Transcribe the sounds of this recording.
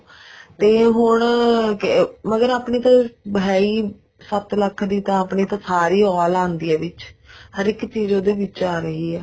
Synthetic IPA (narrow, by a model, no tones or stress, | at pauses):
t̪eːɦʊɳ | məɡəɾaːpɳiːt̪ãːbɦɛːiː | sət̪ləkʰd̪iːt̪ãːaːpɳeːt̪ãːsaːɾiːɔːlãːnd̪iɛːʋɪt͡ʃhəɾɪkt͡ʃiːzoːd̪eːʋɪt͡ʃaːɾəɦiːɛː